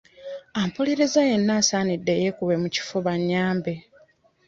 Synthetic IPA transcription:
ampoleɾezaje̞nːaːsaːnidːe̞jekuβe̞muci̥fo̞βaɲːaːmbe̞

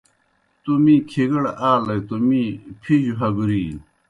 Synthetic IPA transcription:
t̪umĩkʰeɡɐɽaːlɐjt̪omipʰiʑuɦɐɡuɾiː

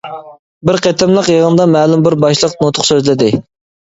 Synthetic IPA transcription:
bɪɾqʰet̪ʰɪmlˠəqjeʁənd̪ɑmæːlumbɪɾbɑʃlˠəqnot̪ʰʊ̥χsøzlɪd̪ɪ

